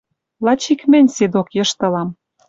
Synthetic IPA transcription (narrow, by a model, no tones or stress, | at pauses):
lɑt͡ɕikmɘ̆nʲsed̪okjɤ̆ʃt̪ɤ̆lɑm